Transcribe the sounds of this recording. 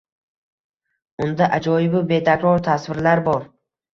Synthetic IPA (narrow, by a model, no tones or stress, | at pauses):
ʊnd̪aʔad͡ʒɒjɪbɪbe̞t̪ʰakɾɒɾt̪ʰasvɪɾlaɾbɒɾ